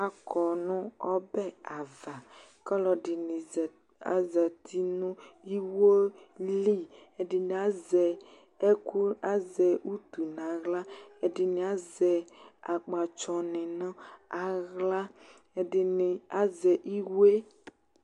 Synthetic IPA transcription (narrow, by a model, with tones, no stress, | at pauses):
a˨kɔ˨nʊ̃˦ɔ˦bɛ˦a˨va˨ | kɔ˦lɔ˨ɖɪ˨ni˨ | a̰˨zɛ˨t̪ʰi˦nũ˦i˦wo˦li˦e˨ɖɪ˨n˨a˦zɛ˨ | e˦ku˦a˦zɛ˨u˦t̪u˨nã˨ɣla˦e˨dɪ˨nɪ̃˨a˦zɛ˨a˨k͡pa˨t͡ʃɔ˨nɪ̃˨nã˦a˨ɣla˦˨ | dɪ˨n˨a˦zɛ˨ʔi˦we˦